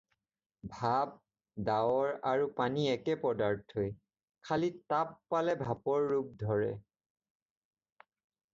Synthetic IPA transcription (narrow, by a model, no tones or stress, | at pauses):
bʱab̚ | daɔɹaɹupaniɛkɛpɔdaɹtʰhoj | kʰalitapːalɛbʱapɔɹːup̚dʱɔɹɛ̰